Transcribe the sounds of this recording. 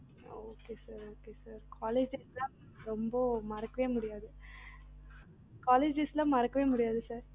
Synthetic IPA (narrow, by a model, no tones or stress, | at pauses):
oːkeːsaːɾoːkeːsaːɾkʰaːleːd͡ʒeːslãː | ɾɔmbɐmɐɾɐkːɐʋeːmʊɽɪjaːðɯ | kaːleːd͡ʒeslãːmɐɾɐkːɐʋeːmʊɽɪjaːðɯsaːɾ